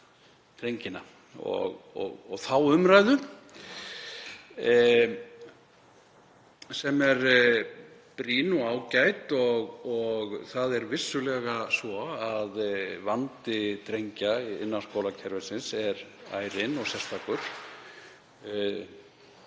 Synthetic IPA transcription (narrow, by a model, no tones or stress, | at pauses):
t̪ɾejɲcɪna̰ | ɔ̰ɣɔ̰ɣɔɣθawʏmɾajðʏ | sɛmɛɾ | pɾiːnuaːwcajt̪ɔɣɔɣθaðɛɾvɪsːʏlɛɣasvɔaðvant̪ɪt̪ɾejɲcaɪ̰nːaskoːwlacʰɛɾvɛsɪnsɛɾa̰ːjɾɪnɔɣsɛst̪ʰakʏɾ̥